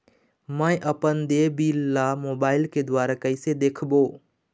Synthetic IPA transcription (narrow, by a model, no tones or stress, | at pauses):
mə̃ʔəpənd̪ebiːlːamoːbaːɪlked̪waːɾakəɪsed̪eːkʰboː